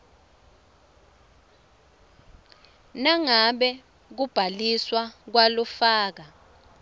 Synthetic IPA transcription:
naŋaɓɛ | k̬ub̥ʱaliswak̬walufaːk̬a

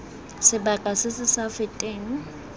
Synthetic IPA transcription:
sɪbakʼasɪsɪsafɪtʼeːn̩

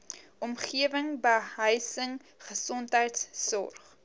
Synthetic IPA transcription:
ʔɔmχiəvəŋbəɦəjsəŋ | χəsɔntɦəjtsːɔ̰rχ

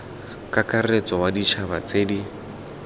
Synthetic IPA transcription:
kʼakʼaret͡sʼɔwadit͡ʃʰabat͡sʼeːdi

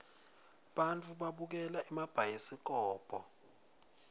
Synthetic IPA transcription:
ɓant͡fʰʼuɓaɓuk̬ɛlaʔimab̥ʱajisik̬ɔːb̥ʱɔ̰

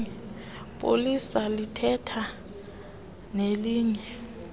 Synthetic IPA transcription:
ɛ | pʼo̰lisalitʰɛtʰa | neliːŋɛ

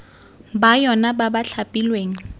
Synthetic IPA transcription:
bajɔnababaɬʰapʼilweːŋ̩

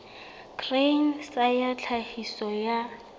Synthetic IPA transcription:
kʰreŋ̩sajat͡ɬʰahisɔja

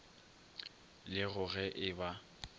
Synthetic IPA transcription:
lɪɣʊɣɛʔɪba

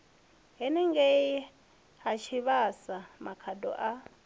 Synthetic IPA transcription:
ɦɛnɛŋɡɛ | ɦat͡ʃʰiβasamakʰadɔ̰ʔa

